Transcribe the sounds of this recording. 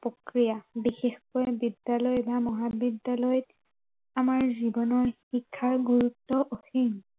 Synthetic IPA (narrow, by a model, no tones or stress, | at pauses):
pokɹijabixexkojbidːalɔjbamɔɦabidːalɔjɔt | amaɹzibɔnɔɹxikʰːaɹɡuɹutːɔʔoxiŋ